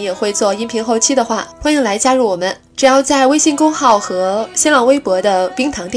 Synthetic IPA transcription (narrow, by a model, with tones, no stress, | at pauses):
jɛ˨˩xwe˥˧ɪt͡swɔ˥˩i˥npʰi˧˥ŋxo˥˩ʊt͡ɕʰi˥d̪ə˨xwa˥˩xwa˥ni˧˥ŋla˧˥ɪt͡ɕja˥ɻu˥˩wɔ˨˩mə˦n | ʈ͡ʂɻ̩˨˩jɑ˥˧ʊt͡sa˥˩ɪwe˥ɪɕi˥˩ŋkʊ˥ŋxɑ˥˩ʊxɤ˧˥ɕɛ˥nlɑ˨˩ŋwe˥ɪpwɔ˧˥d̪ə˧pi˥ŋt̪ʰɑ˧˥ŋt̪j